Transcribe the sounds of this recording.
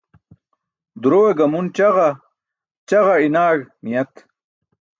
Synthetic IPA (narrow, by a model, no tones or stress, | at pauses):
d̪uɾoweɡɐmunt͡ɕɐʁɐ | t͡ɕɐʁɐinaːɡmijɐt̪